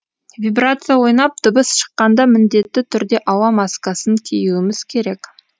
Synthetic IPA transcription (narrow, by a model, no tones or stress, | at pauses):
vʲibrat̪sɨjawo̞jnɑp̚d̪̥ʊbəsʃə̥qːɑnd̪ɑmɪnd̪e̞t̪ːɪt̪ʰʏɾd̪e̞ʔɑwɑmɑskɑsəŋkʲʰejuwɪmɪz̥kʲʰe̞ɾe̞k